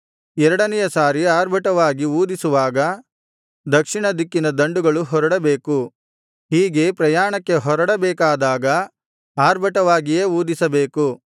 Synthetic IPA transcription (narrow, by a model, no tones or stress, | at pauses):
ɛɾɐɽɐnɛjɐsaːɾiaːɾbʱɐʈɐʋaːɡiuːd̪isuʋaːɡɐ | d̪ɐkʂiɳɐd̪ikːinɐd̪ɐɳɖuɡɐɭuɦɔɾɐɽɐbeːku | ɦiːɡe̞pɾɐjaːɳɐkːe̞ɦɔɾɐɽɐbeːkaːd̪aːɡɐ | aːɾbʱɐʈɐʋaːɡijeːuːd̪isɐbe̞ːku